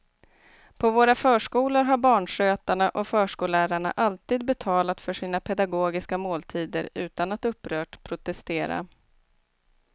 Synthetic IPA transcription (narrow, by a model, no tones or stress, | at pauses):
pʰɔvoːɾafœːʂkuːlʊɾɦaɾbɑːɳʂøːt̪aɳaʔɔfœːʂkuːlæːɾaɳa̰ʔalt̪iːd̪̚bɛt̪ʰɑːlat̪fœʂiːnapʰɛd̪aɡoːɡɪskamoːlt̪ʰiːd̪ə̰ɾʉ̟̰ːt̪anat̪ɵpːɾœːʈpʰɾʊt̪ɛst̪eːɾa̰